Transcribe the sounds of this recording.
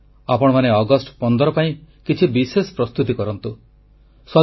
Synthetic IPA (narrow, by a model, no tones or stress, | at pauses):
apɔɽ̃ɔmaneɔɡɔsʈpɔnd̪ɔɾɔpaĩkit͡ʃʰibisesɔ̥pɾɔst̪ut̪ikɔɾɔnt̪u | sɔ